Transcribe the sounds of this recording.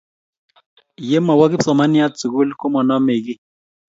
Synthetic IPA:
je˦mɔ˨wa˦ki˦psɔ˨ma˦ni˦a˦t͡su˨ɣu˦lku˦mɔ˨nɔ˦me˨ki˦

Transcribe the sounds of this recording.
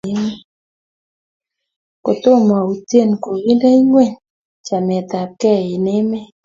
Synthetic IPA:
ɪ˦me˦ | ko˨t̪o˦ma˨u˨tje˦˨nko˨wi˦nda˦i˦ŋwɛ˦˨ɲ | t͡ʃa˨mɛ˨t̪a˨p̚kɛ˦ɪ˨nɪ˦mɛ˦

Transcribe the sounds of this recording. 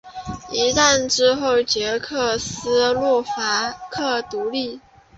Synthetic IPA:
i˧˥t̪a˥˩nʈ͡ʂɻ̩˥xo˥˩ʊt͡ɕjɛ˧˥kʰɤ˥˩sɹ̩˥lɔ˥˩fa˧˥kʰɤ˥˩t̪u˧˥li˥˩

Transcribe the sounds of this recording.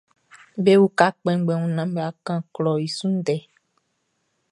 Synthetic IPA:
be˦wu˦ka˦k͡pɛ̃˦ɡ͡bɛ̃˨wũ˨˦nã˦m˦be˨a˨kã˦klɔ˨i˨sũ˦n˦dɛ˨˦

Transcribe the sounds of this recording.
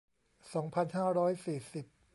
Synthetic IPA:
sɔː˩˦ŋpʰa˧nhaː˥˩ɾɔː˦˥jsiː˨˩si˨˩p̚

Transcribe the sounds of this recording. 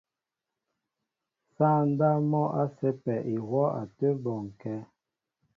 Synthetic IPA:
saː˦˨n̩˦da˦mɔ˦ʔa˦sɛ˦pɛ˨ʔi˨wɔ˦a̰˨tə˦bɔ˨ŋ˨kɛ˦

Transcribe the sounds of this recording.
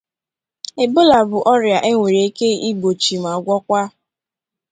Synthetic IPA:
ɪ˨bʊ˦la˨bʊ˨ʔɔ˦ɾja˨ʔe˦ŋʷe˨ɾi˨e˦ke˦i˦ɡ͡bo˨t͡ʃi˨m˨a˨ɡʷɔ˦kʷa˦

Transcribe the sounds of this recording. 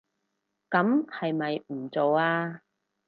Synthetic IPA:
kɐ˨˥mhɐ˨jmɐ˨jm̩˨˩t͡so˨waː˧

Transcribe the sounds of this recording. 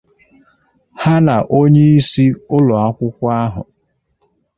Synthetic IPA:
ha˦na˨ʔo˦ɲe˦i˦si˦ʊ˦lʊ˨a˦kʷʊ˦kʷa˦ɦʊ̰˨

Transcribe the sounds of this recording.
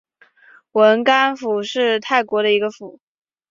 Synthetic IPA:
wə˧˥nka˥nfu˨˩ʂɻ̩˥˧t̪ʰa˥˩ɪkwɔ˧˥ɾə˧i˧˥ɡə˧fu˨˩˦

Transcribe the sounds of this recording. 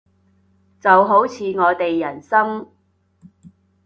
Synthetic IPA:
t͡sɐ˨wɦo˨˥wt͡sʰiː˨˧ŋɔː˨˧t̪e˨jːɐ˨˩nsɐ˥ŋ

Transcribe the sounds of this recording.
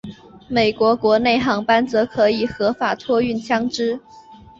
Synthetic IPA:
me˨˩ɪkwɔ˧˥kwɔ˧˥ne˥˩ɪxɑ˧˥ŋpa˥nt͡sɤ˧˥kʰɤ˧˥i˨˩xɤ˧˥fa˨˩t̪ʰwɔ˥y˥˩nt͡ɕʰjɑ˥ŋʈ͡ʂɻ̩˥

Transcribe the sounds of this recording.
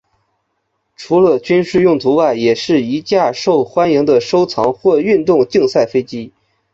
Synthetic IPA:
ʈ͡ʂʰu˧˥lə˧t͡ɕy˥nʂɻ̩˥˧jʊ˥˩ŋt͡su˧˥wa˥˩ɪjɛ˨˩ʂɻ̩˥˩i˧˥t͡ɕja˥˧ʂo˥˩ʊxwa˥nji˧˥ŋd̪ə˧ʂo˥ʊt͡sʰɑ˧˥ŋxwɔ˥˧y˥˧nt̪ʊ˥˧ŋt͡ɕi˥˧ŋsa˥˩ɪfe˥ɪt͡ɕi˥

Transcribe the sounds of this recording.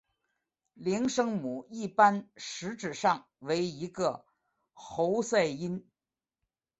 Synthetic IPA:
li˧˥ŋʂɤ˥ŋmu˨˩i˥˩pa˥nʂɻ̩˧˥ʈ͡ʂɻ̩˨˩ʂɑ˥˩ŋ | we˧˥ɪi˧˥ɡə˧ | xo˧˥ʊsa˥˩ɪi˥n

